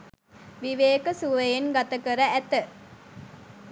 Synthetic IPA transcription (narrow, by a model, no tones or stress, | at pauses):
ʋiʋeːkəsuʋəjenɡat̪ɐkəɾəæt̪ə